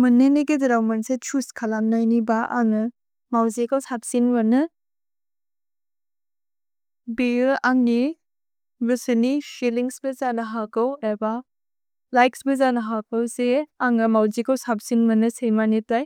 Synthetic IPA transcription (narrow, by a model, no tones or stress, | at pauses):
mɐnːeneɡedɐɾawmɐnset͡ʃʰuskʰalamnajnibaʔa̰ŋɯ | mawzekawsap̚sinbɐnɯ | beaŋni | busɐnisiliŋsbɐzanɐɦakaweba | lajksbɐzanɐɦakɐwseaŋɯmawzekawsap̚sinbɐnɯsejmanitaj